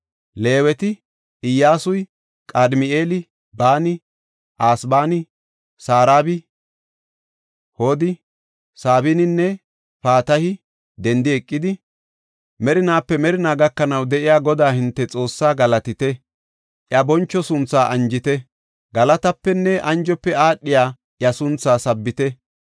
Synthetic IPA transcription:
le̞ːwɛt̪ɪ | ʔɪjːaːsʊj | kʼad̪mɪe̞ːlɪ | baːnɪ | ʔaːsbaːnɪ | saːɾaːbɪ | hoːd̪ɪ | saːbinɪnːɛ | paːt̪ɐhɪ | d̪ɛnd̪ɪɛkʼːɪd̪ɪ | mɛɾɪnaːpːɛmɛɾɪnaːɡɐkːɐnɐwd̪ɛʔɪjaːɡɔd̪aːhɪnt̪ːɛt͡sʼo̞ːsːaːɡɐlɐt̪ɪt̪ɛ | ʔjɐbɔnt͡ʃːɔsʊnt͡sːaːʔɐnd͡ʒɪt̪ɛ | ɡɐlɐt̪ɐpːɛnːɛʔɐnd͡ʒɔpːɛaːɗːɪjaː | ʔjɐsʊnt͡sːaːsɐbːɪt̪ɛ

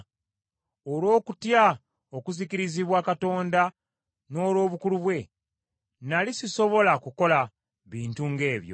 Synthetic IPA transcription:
olo̞ːkutja | o̞kuzikiɾiziβwaːkato̞ːnda | no̞ːlo̞ːβukuluβwe̞ | nalisiso̞βo̞lakuko̞la | βiːntuŋɡe̞ːβjo̞̰

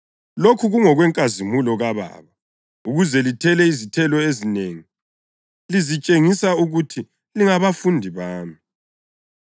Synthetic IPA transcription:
lokʰuɣuŋɔɣwɛŋkʼazimulɔɣaβa̰ːβa | uɣuzɛlitʰɛlɛizitʰɛlɔezineːŋi | lizit͡ʃʼeŋisauɣutʰi | liŋaβafundʱiβaːmi

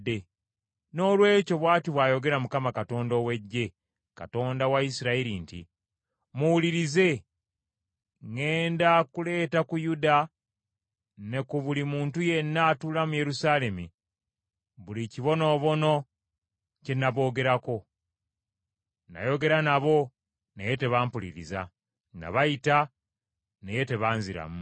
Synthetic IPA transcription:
e | no̞ːlwe̞ːco̞βwaːtiβwaːjo̞ɡe̞ɾamukamakato̞ːndo̞we̞ɟːe̞ | ka̰to̞ːndawaisiɾaiɾintḭ | muwuliɾize̞ | ŋe̞ːndakule̞ːtakujuda | ne̞kuβulimuːntuje̞nːaːtulamuje̞ɾusaːle̞mi | βuliciβo̞no̞ːβo̞no̞ | cenːaβo̞ːɡe̞ɾako̞ | na̰jo̞ɡe̞ɾanaβo̞ | neje̞te̞βampulḭɾḭza̰ | na̰βaita | neje̞te̞βaːnziɾa̰mu

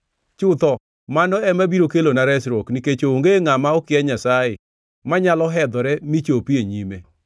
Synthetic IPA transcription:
t͡ʃʊt̪ɔ | manɔɛmabiɾokelonaɾɛsɾokniket͡ʃooŋɡeŋamaɔkɪɛɲasajɪ | maɲalɔɦɛd̪ɔɾɛmit͡ʃopieɲime

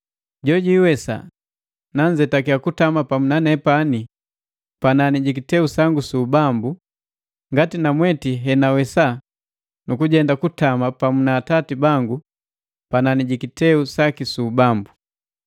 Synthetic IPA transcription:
ɟɔɟiwɛsa̰ | naɲd͡ʒɛtakiakutamapamunanɛpani | pananiɟik̬itɛusaŋɡusuːbambu | ŋɡatinamwɛtiɦɛnawɛsa | nukuɟɛndakutamapamunaːtatibaŋɡu | pananiɟikitɛusakisuːbambu

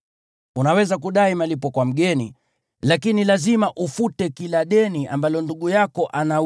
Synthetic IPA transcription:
unawɛzakuɗaimalipɔkwam̩ɠɛni | lakinilazimaʔufutɛkilaɗɛniʔa̰mbalɔnduɠujakɔʔana

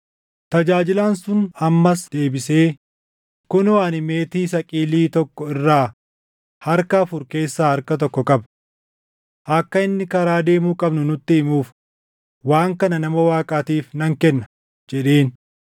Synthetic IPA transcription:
t̪ɐd͡ʒaːd͡ʒɪlaːnsʊnɐmːɐsd̪̥e̞ːbɪse̞ː | kʊnwaːnɪme̞ːt̪iːsɐkʼiːliːt̪ɔkːɔɪrːaː | hɐɾkɐːfʊɾke̞ːsːaːhɐɾkɐt̪̬ɔkːɔkʼɐb | ʔɐkːɐɪnːɪkɐɾaːd̪e̞ːmuːkʼɐbnʊnʊt̪ːɪɪmuːf | waːŋkɐnɐnɐmɐwaːkʼaːt̪iːfnɐŋkɛnːɐ | d͡ʒɛᶑe̞ːn

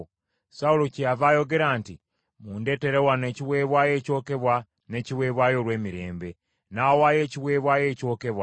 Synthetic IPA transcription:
saulo̞cijavaːjo̞ɡe̞ɾaːnti | muːnde̞ːte̞ɾewane̞ciwe̞ːβwaːje̞ːco̞ːke̞βwa | ne̞ːciwe̞ːβwaːjo̞ːɾwe̞ːmiɾe̞̰ːmbe̞ | naːwaːje̞ːciwe̞ːβwaːje̞ːco̞ːkeβwa

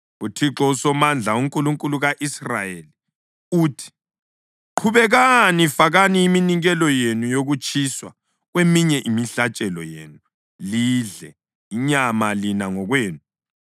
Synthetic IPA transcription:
utʰiǁɔusɔmand͡ɮʱauŋkʼuluŋkʼuluɣaʔisra̰jeli | uːtʰi̥ | ǃʰuβɛɣanifaɣaniiminiŋɣɛlɔjenujoɣut͡ʃʼʰiswa | ɣwemiɲɛʔimiɬat͡ʃʼɛlɔ̰jḛːnu | liːɮɛ | iɲamalinaŋɔɣweːnu

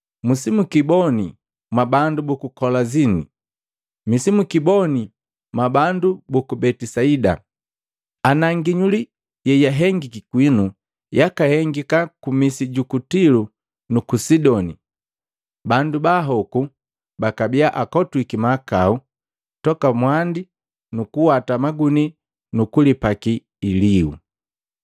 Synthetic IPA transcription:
musimukibɔni | mwabandubukukɔlazinḭ | misimukibɔni | mabandubukubɛtisaida̰ | anaŋɡiɲuli | jɛijaɦɛŋɡikikwinu | jakahɛŋɡikakumisiɟukutilu | nukusidɔni | bandubaɦɔku | bakabiaʔakɔtwikimakau | tɔkamwandi | nukuwatamaɡuni | nukulipakiː | liṵ

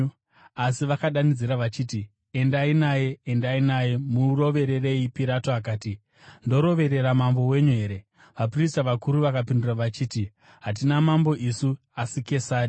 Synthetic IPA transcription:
asiʋakaɗanid͡ziɾaʋat͡ʃiːti | e̞ndainaje̞endainaje̞muro̞ʋe̞ɾe̞re̞ipiɾatoak̬aːti | ndo̞ɾo̞ʋe̞ɾe̞ɾamambo̞we̞ɲuɦe̞ɾe̞ | ʋapristaʋakuɾuʋakapinduraʋat͡ʃiːti | ɦat̬inamambo̞ʔisu | asike̞saːɾi

